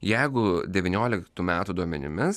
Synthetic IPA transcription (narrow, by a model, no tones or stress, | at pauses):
jɛɪɡʊd̪ʲɛʋʲinʲoːlʲɪkt̪uːmʲæːt̪uːd̪uɔmʲɛ̰nʲɪ̰mʲɪs